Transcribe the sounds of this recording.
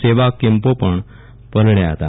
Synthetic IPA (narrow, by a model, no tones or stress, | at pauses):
seʋakempopəɳ | pəlɳjaɦət̪a